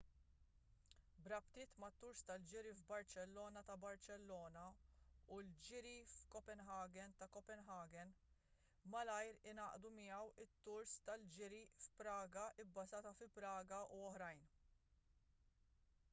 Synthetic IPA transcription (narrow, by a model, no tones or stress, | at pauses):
bɾɐpt̪ɪːt̪mɐt̪ːʊɾst̪ɐld͡ʒɪɾivbɐɾt͡ʃɛlːɔːnɐt̪ɐbɐɾt͡ʃɛlːɔːnɐuld͡ʒɪɾifkɔpɛnɦɐːɡɛnt̪ɐkɔpɛnɦɐːɡɛn | mɐlɐjɾɪnɐːʔd̪umɪɐwɪt̪ːʊɾst̪ɐld͡ʒɪɾifpɾɐːɡɐɪbːɐzɐːt̪ɐfɪpɾɐːɡɐʔuɔhɾɐjn